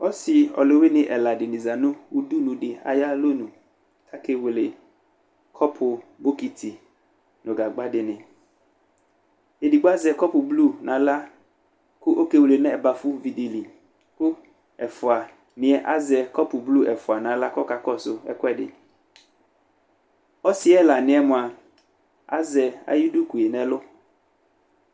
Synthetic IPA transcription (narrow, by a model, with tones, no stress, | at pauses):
ɔ˦sɪ˨ɔ̰˨lo˦we˦nɪ̃˨ʔɛ˨la˨dɪ˨nɪ̃˨za˨nʊ̃˦wu˦du˦nũ˨dɪ˨a̰˨ja˦lo˦nũ˨ | tʰa˦ke˦wle˨ | kʰɔ˦pʰʊ˨bo˦ki˨tʰi˨ | nʊ̃˨ɡa˨ɡ͡ba˦dɪ˨nɪ̃˨ | e˨di˨ɡ͡bʊ˦a˦zɛ˨kɔ˦pʊ˨blu˦˨nã˨˦la˦ | kʊ˦ʔo˦ke˦wle˨nɛ̃˦ɛ˨ba˨fʊ˦vi˨de˨li˨ | kʊ˦ | ɛ˨fʊ˨a˨ | nɪ̃˨ɛ˨ʔa˦zɛ˨kɔ˦pʊ˨blu˦ʔɛ˨fʊ˨a˨nã˨˦la˦kɔ˦ka˨kɔ˦sʊ˦ɛ̰˦kʊ˦ɛ˦dɪ̰˨ | ɔ˦sɪ˦ɛ˦la˨nɪ̃˨ɛ˦mʊ̃˨a˨ | a̰˦zɛ˨a̰˨ji˦du˦ku˨e˨nɛ̃˨lʊ˦